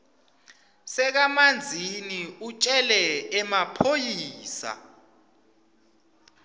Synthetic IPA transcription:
sɛk̬amand͡zʱiniut͡ʃʼɛlɛɛmapʰojiːsa̰

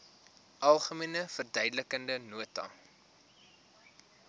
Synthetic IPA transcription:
ʔɐlˠχəmiənəfərdœɥdələkəndənuətɐ̰

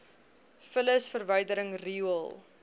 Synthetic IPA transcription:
fələsfərvəjdəɾəŋriuəlˠ

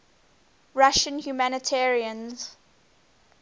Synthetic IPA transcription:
ɹaʃə̃nhjumænətʰɛːɹiə̃nz̥

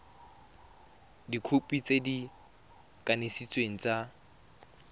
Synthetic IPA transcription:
dikʰupʼit͡sedi | kʼanesit͡sʼweŋ̩t͡sʼa

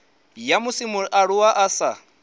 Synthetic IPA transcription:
jamusimuʔaɺuwaʔasa

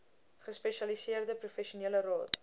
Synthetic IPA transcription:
χəspɛʃɐlisiərdəprufɛʃiuniələrɑːt

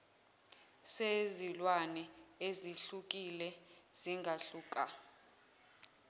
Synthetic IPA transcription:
sezilwanɛeziɬuk̬ʼilɛz̥iŋɡʱaɬuːk̬ʼa

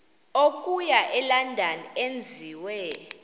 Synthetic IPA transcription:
okʼujaʔɛlandʱanend͡zʱiwɛ

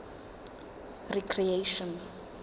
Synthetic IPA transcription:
rikʰrieʃɔ̃n

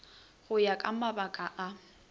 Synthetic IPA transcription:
ɣʊjakʼamabakʼaʔa

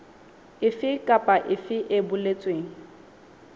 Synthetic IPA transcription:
ɪfɪkʼapʼaʔɪfɪʔɪbʊlet͡sʼweːŋ̩

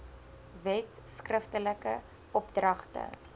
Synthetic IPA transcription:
vɛt | skrəftələkə̰ | ɔpdrɐχtə̰

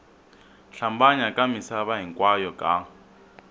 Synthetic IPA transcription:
ɬambaɲakʼamisaβaɦiŋkʼwajɔkʼa

